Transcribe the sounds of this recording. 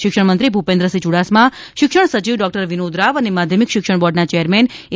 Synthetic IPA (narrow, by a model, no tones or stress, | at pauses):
ʃɪkʃəɳmənt̪ɾibʱupẽnd̪ɾəsid͡ʒuɽasmã | ʃɪkʃəɽ̃sət͡ʃiʋɖɔk̚ʈəɾʋinod̪ɾaʋənemad̪ʱjəmikʃɪkʃəɳ̃bɔɖnat͡ʃɛjəɾmɛn